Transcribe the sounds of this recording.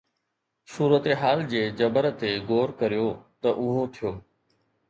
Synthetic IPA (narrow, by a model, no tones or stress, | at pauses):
suːɾət̪eɦaːld͡ʑeːd͡ʑɐbəɾt̪eɡoːɾkɐɾijot̪ɐʔʊɦot̪ʰijoː